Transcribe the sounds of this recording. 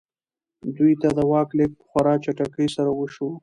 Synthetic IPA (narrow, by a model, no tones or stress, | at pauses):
d̪ujt̪ad̪əwɑklek̚pə̥xwaɾɑt͡ʃaʈakəjsaɾawəʃo